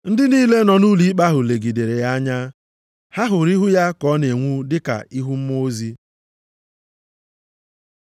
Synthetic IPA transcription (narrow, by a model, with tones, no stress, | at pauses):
n̩˦dɪ˦niː˦le˦nɔ˨nu˦li˨˦k͡pa˦ɦʊ˨le˨ɡi˨de˨ɾe˨ja˦ɲa˦ | ha˦ɦʊ˨ɾi˦ɦʊ˦ja˦kɔ˨˦ne˨ŋʷu˦dɪ˦ka̰˨i˦ɦu˦m̩˦m˦o˦zi˦